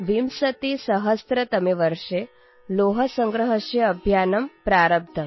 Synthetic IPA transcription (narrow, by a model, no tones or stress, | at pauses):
ʋimsɐt̪isɐɦɐst̪ɾɐt̪ɐmeʋɐɾʂe | loːɦɐsɐŋɡɾɐɦɐʃjɐːbʱjaːnɐmpɾaːɾɐb̚d̪ʰʱɐm